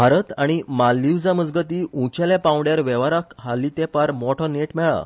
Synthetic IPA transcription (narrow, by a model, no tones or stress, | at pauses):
bʱaɾət̪aɽ̃imalːiwd͡zəməd͡zɡət̪iːũt͡ɕalepãwɽjaɾʋɛʋaɾakɦalit̪epaɾmɔʈʰɔneʈmɛɭa̰